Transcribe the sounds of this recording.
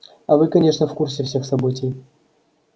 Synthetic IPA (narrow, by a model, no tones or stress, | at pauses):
avɨkɐnʲeʂnəfkurs̬ʲɛfsʲexsɐbɨtʲij